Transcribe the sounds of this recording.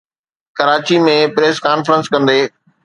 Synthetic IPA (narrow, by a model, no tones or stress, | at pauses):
kɐɾaːt͡ɕimẽpɾeːskaːnfəɾə̃nskɐ̃nd̪eː